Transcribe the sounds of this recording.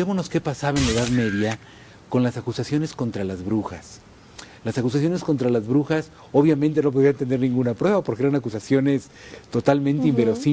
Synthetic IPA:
emono̞ske̞pasaβaenlaeðaðme̞ðja | ko̞nlasakusasjo̞ne̞sko̞nt̪ɾalazβɾuxa̰s | lasakus̬as̬jo̞ne̞sko̞nt̪ɾalazβɾuxas | o̞βjamẽnt̪e̞no̞p̬oðiant̪end̪e̞ɾnĩŋɡunapɾwe̞βapo̞ɾkeeɾanakusasjo̞ne̞s | t̪o̞t̪almẽnt̪eimbe̞ɾosi

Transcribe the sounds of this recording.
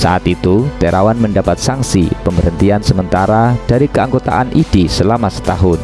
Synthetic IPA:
sa̰ʔat̪it̪ut̪eɾawanməndapat̪̚saŋsḭpəməɾənt̪iansəmənt̪aɾad̥aɾikəaŋɡot̪a̰ʔanʔid̥isəlamasə̥t̪aɦʊn

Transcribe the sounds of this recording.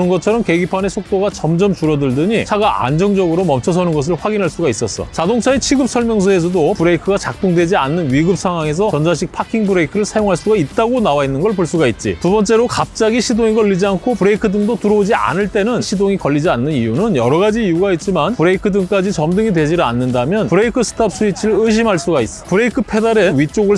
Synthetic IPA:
ɯnɡʌt͡ɕʰʌɾʌmke̞ɡipʰane̞sʰok̚t͈oɡat͡ɕʌmd͡ʑʌmt͡ɕuɾʌdɯɭdɯɲisʰaɡaa̰nd͡ʑʌŋd͡ʑʌɡɯɾomʌmt͡ɕʰʌsʰʌnɯnɡʌs̬ʰɯɭɸwaɡinɦaɭs͈uɡais͈ʌs͈ʌ̰t͡ɕadoŋt͡ɕʰaet͡ɕʰiɡɯp̚sʰʌɭmjʌŋs̬ʰoe̞s̬ʰʌdopɯɾe̞ikʰɯɡat͡ɕak̚t͈oŋdwe̞d͡ʑianːɯnɥiɡɯp̚sʰaŋɦwaŋe̞s̬ʰʌt͡ɕʌnd͡ʑaɕ̬ʰik̚pʰakʰiŋbɯɾeikʰɯɾɯɭsʰajoŋɦaɭs͈uɡait̚t͈aɡonawainːɯnɡʌɭp̬oɭs͈uɡait̚t͡ɕ͈ḭtubʌnt͡ɕ͈e̞ɾokap̚t͡ɕ͈aɡiɕʰidoŋiɡʌɭʎːid͡ʑiankʰopɯɾe̞ikʰɯdɯŋdotɯɾʌod͡ʑia̰nɯɭt͈e̞nɯnɕʰidoŋikʌʎːid͡ʑianːɯnijunɯnjʌɾʌɡad͡ʑiːjuɡait̚t͡ɕ͈imanpɯɾeikʰɯdɯŋk͈ad͡ʑit͡ɕʌmdɯŋidwe̞d͡ʑiɾanːɯndamjʌnpɯɾeikʰɯsʰɯ̥tʰap̚s͈ʰuit͡ɕʰiɾɯɭɯɕ̬ʰimɦaɭs͈uɡais͈ʌpɯɾe̞ikʰɯpʰe̞daɾenɥit͡ɕ͈oɡɯɭ

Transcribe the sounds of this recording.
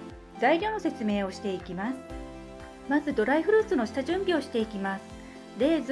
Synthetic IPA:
d̪aiɾʲo̞no̞se̞t͡sɨme̞ːo̞ɕi̥t̪e̞ikʲimasɨ̥ | mazɨd̪o̞ɾaiɸɯ̟ɾɯ̟ːt͡sɨno̞ɕi̥t̪aʑɨ̃mbʲio̞ɕi̥t̪e̞ikʲimasɨ̥ | d̪e̞z

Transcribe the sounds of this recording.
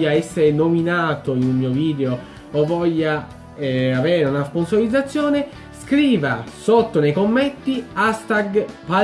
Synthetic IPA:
aɛsːeɾenominaːt̪oinunmiːoviːd̪eo | ɔvːɔʎːa | ɛavɛːɾeunasponsoɾid̪zat̪sːjɔːne | skɾiːvasot̪ːonejkomːet̪ːiast̪aɡpa

